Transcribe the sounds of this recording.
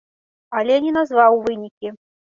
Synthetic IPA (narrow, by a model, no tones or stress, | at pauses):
alʲɛnʲɛnazvawvɨnʲikʲi